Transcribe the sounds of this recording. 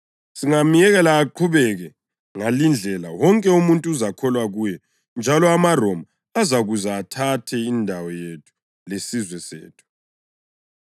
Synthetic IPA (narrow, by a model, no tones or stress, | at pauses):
siŋamijɛɣɛlaːǃʰuβɛɣɛ | ŋalind͡ɮʱɛla̰wɔŋkʼɛumuntʼuːzakʰɔlwaɣujɛ | nd͡ʒʱalɔamarɔma | azaɣuzaːtʰatʰɛindʱawɔjetʰu̥ | lesizwɛsḛːtʰu̥